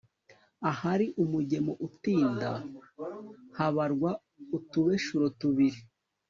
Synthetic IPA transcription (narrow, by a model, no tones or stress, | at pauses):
ahaɾiʔumuɟe̞moʔutiːnda̰ | haβaɾɡwa | utuβe̞ʃuɾotuβiɾi